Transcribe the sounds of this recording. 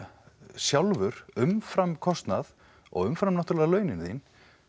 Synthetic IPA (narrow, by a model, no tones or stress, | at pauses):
sjawlvʏɾʏmfɾamkʰɔst̪nað | ɔ̰ɣʏmfɾamnaht̪uɾlɛðalœːɥnɪnθin